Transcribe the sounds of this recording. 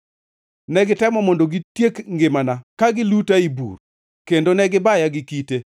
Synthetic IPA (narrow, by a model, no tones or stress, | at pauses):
nɛɡɪtɛmɔmɔndoɡitjekŋɡɪmanakaɡɪlutaibṵr | kendonɛɡɪbajaɡɪkite